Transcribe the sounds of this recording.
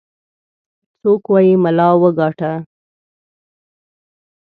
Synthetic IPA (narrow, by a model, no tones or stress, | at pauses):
t͡sokwɑjimalɑwəɡɑʈa